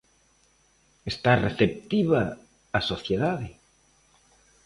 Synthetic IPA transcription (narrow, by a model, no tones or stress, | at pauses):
est̪areθep̚t̪iβaː | soθjeðaðe